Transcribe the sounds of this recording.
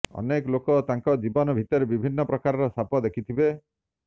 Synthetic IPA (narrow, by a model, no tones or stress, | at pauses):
ɔ̰nekɔlokɔt̪aŋkɔd͡ʒibɔnɔbʱit̪ɔɾebibʱinːɔpɾɔkaɾɔɾɔsapɔd̪ekʰit̪ʰibe